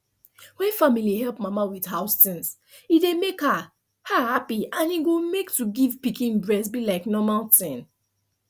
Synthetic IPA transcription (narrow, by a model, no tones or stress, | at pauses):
wɛ̃nfamiliɦɛlˠpmamawið̥haʊstĩns | idemeka | hahapiãniɡomektuɡivpikĩnbɹɛsbilaɪknɔmaltɛ̃n